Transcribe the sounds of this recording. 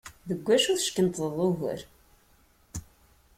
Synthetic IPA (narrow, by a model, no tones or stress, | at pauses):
ðəɡʷːæʃʊθʃkənt̪əðˤʊɣə̰ɾ